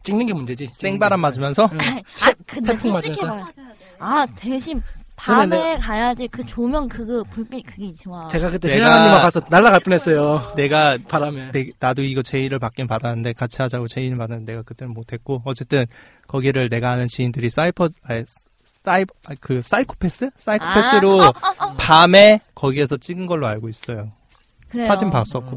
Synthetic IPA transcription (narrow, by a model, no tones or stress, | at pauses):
t͡ɕ͈iŋnɯnŋɡemund͡ʑed͡ʑis͈eŋbaɾamad͡ʑimjʌnsʰʌt͡ɕʰekɯepʰoŋmad͡ʑiʌsʰ | ateɕʰimpaemekajad͡ʑikɯt͡ɕomjʌnkɯɡɯpuɭp͈ikɯɡet͡ɕʰimat͡ɕe̞ɡakɯt͈eeɡaaimakasʰʌnaɭːaɣaɭp͈unɦes͈ʌjone̞ɡapaɾameenadoiɡʌt͡ɕe̞iɾɯɭpak͈inpadanɯnde̞kat͡ɕʰiɦad͡ʑaɡot͡ɕe̞iɾɯɭpadandene̞ɡakɯt͈eɾɯɭmotʰe̞k̚k͈oʌt͡ɕ͈e̞t͈ɯn | kʌɡiɾɯɭne̞ɡaɦanɯnt͡ɕiindɯɾis͈aipʰʌa | sai | kɯs͈aikʰo̥pʰe̞s͈ɯs͈aikʰo̥pʰes͈ɯɾopame̞kʌɡie̞sʰʌt͡ɕ͈iɡɯnɡʌɭːoaɭɡois͈ʌjo | kɯɾesʰad͡ʑimpas͈ʌk̚k͈o